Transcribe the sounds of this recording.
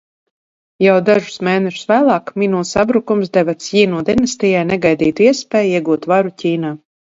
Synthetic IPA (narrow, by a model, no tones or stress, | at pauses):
jawd̪aʒu̥smɛːnɛʃu̥svæːlˠɑːkminuːsabɾukumsd̪ɛvat̪sjiːnuːd̪ʲɛnɛst̪ʲijajnɛɡajd̪iːt̪uiɛspʲɛːjiɛɡuːt̪vaɾucʲiːnaː